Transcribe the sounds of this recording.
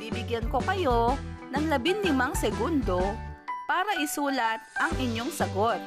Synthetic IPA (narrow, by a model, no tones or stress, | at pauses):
iːbɪɡjɐnko̞kɐjo̞nɐŋlɐbɪnlɪmɐŋsɛɡund̪o̞paːɾɐʔɪsuːlɐt̪̚ʔɐŋʔɪɲːo̞ŋsɐɡo̞t̪̚